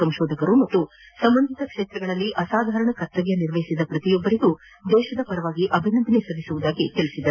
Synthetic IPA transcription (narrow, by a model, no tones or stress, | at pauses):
ɐmʃɔːd̪ɐkɐɾumɐt̪ːu | sɐmbɐnd̪ʱit̪ɐkʂeːt̪ɾɐɡɐɭɐlːiʔɐsaːd̪ʱaːɾɐɳɐkɐt̪ːɐɡjɐniɾʋɐjisid̪ɐpɾɐt̪ijɔbːɐɾiɡu | d̪ɛːʃɐd̪ɐpɐɾɐʋaːɡiʔɐbʱinɐnd̪ʱɐnesɐd̪ʱisuʋud̪aːɡit̪eɭisid̪ɐɾu